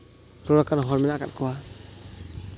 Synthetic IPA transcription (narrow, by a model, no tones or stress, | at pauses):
ɾɔɾakanɦɔɾmɛnaka̰t̚kɔwa